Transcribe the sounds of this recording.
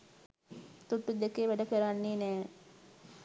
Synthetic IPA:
t̪uʈːud̪ekeʋæɖəkəɾanːiːnɛː

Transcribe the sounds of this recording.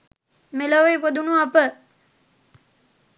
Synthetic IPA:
meloʋejpod̪unuapə

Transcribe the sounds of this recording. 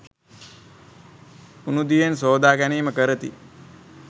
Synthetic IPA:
unud̪ijensoːd̪aːɡæniːməkəɾət̪ḭ

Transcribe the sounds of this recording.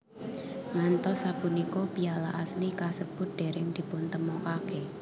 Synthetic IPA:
ŋant̪ɔsapunikopialaʔaslikasəb̥ʊ̤t̪̚d̪̥e̤ɾɪŋd̪̥i̤pʊnt̪əmɔkake

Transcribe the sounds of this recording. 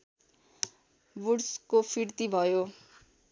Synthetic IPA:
buɽskopʰirt̪ibʱʌjo

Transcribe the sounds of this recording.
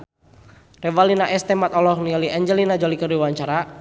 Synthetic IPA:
rɛwalinaʔɛst̪ɛmat̪ɔlɔhniɔliʔɛɲd͡ʒɛlinad͡ʒɔlikərdiwaɲt͡ʃaɾa

